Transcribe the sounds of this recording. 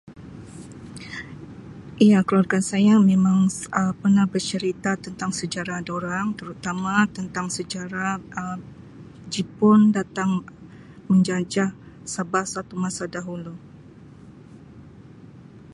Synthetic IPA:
ʔiakəluarkansajamemaŋəpərnahbərt͡ʃəɾit̪at̪ənt̪aŋsəd͡ʒaɾadoɾaŋt̪əɾut̪amat̪ənt̪aŋsəd͡ʒaɾa | d͡ʒipʊndat̪aŋ | məɲd͡ʒad͡ʒa | sabahsat̪umasadaɦulu

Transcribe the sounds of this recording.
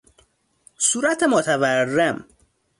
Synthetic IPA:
suːɾæt̪ʰemot̪ʰæværːem

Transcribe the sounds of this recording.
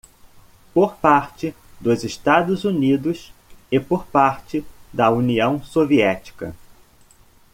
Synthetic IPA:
poɾpaɾt͡ʃɪ | d̪ʊzɪʃt̪ad̪ʊzunid̪ʊsɪpoɾpaɾt͡ʃɪd̪ɐuniɐ̃w̃soviɛt͡ʃi̥kɐ̰

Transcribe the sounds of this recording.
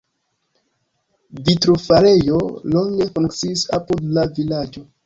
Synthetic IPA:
vitɾofaɾe̞jo̞loŋɡe̞fuŋkt͡siːsapudlavilad͡ʒo

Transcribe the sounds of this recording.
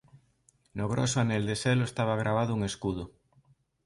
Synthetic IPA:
noɣ̞ɾo̰soaneld̪eseloest̪aβ̞aɣ̞ɾʔaβ̞aðouŋeskuð̞o

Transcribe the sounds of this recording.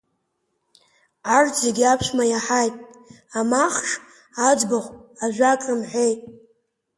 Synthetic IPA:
ʕartʰʼzeɡʲapʰʃʷmajaħajtʼ | amaχʂ | ad͡ʒbaʁʷaʒʷakʼɨmħʷejtʼ

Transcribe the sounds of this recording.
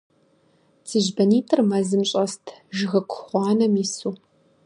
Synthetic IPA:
t͡sʰɨʑbɐniːtʰɨrmɐzɨmɕʼɐstʰʒɨɣɐkʷʰʊ̥χʷɑːnɐmisuː

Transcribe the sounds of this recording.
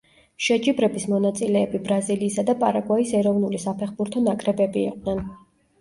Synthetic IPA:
ʃɛd͡ʒibɾɛbismɔnat̪sʼilɛːbibɾaziliːsad̪apʼaɾaɡwaisɛɾɔvnulisapʰɛχbuɾt̪ʰɔnakʼɾɛbɛbḭːqʼnɛn

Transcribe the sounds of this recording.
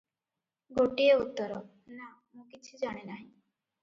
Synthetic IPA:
ɡoʈieut̪ːɔɾɔ | na | mũkit͡ʃʰid͡ʒaɽ̃enaɦĩ

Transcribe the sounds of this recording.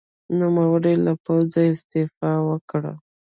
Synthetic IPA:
numawəɾelapawzaɪst̪ɪfɑwəkɽa̰

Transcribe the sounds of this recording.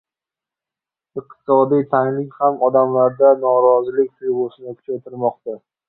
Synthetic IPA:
ɨq̚t̪ʰɪ̥sɒd̪ijt̪ʰaŋlɪkʲhamɒd̪amlaɾd̪anɒɾɒzɪlɪk̚ʲt̪ʰʊjbosɪnɪkʰʊ̥t͡ʃʰat̪ʰɪɾmɒqt̪a

